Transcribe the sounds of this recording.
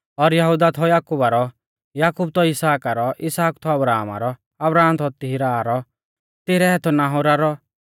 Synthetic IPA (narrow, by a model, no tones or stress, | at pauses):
ɔɾjɐɦud̪at̪ʰɔjaːkubaɾɔ | jaːkub̚t̪ʰɔɪsaːkaɾɔʔɪsaːkt̪ʰɔɐbɾaːma̰ɾɔ | ɐbɾaːmt̪ʰɔt̪ɪɦiɾaɾɔ | t̪ɪɾɛɛt̪ʰɔnaːɦoɾaɾɔ